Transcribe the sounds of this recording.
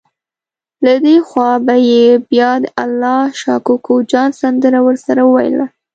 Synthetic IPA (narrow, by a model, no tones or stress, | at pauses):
lad̪exwɑbajebjɑd̪əʔalːɑʃɑkokod͡ʒɑnsand̪əɾawəɾsaɾaəwa̰jə̰la